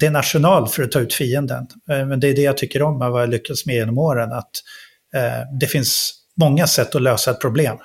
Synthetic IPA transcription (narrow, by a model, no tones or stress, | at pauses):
d̪̥ɛæɳat̪ʂʊnɑːlfœɾɔt̪ʰɑːʉ̟ːt̪fiːənd̪ə̰nmɛnd̪ɛjd̪ɛjat̪ʰʏkːəɾɔmːɛvajalʏkːasmɛjeːnɔmoːɾənat̪ | d̪ɛfɪns | mɔŋːasɛt̪ːɔløːsaɛt̪̚pʰɾʊbleːm